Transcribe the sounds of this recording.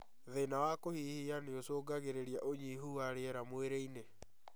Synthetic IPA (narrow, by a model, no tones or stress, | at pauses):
ðenawakohihianeosoːɡaɣeɾeɾiaʔoɲiɦuaɾeɛɾamweɾeine